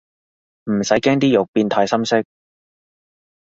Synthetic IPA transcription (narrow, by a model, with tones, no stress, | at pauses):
m̩˨˩sɐ˨˥jkɛː˥ŋt̪̬iː˥jʊ˨k̚piː˧nt̪ʰaː˨˧jsɐ˥msɪ˥k̚